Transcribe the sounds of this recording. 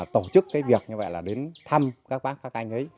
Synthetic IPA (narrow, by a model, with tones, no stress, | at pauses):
t̪o˧˩t͡ɕɨ˦˥kːaː˨˦jvi˨˩ək̚ɲɨ˧və̰˧˨jlaː˨˩ɗe˨˦nt̪ʰa˧mkaː˦˥k̚ɓaː˦˥k̚ːaː˦˥k̚ʔa˧jŋ̟ʔə˨˦j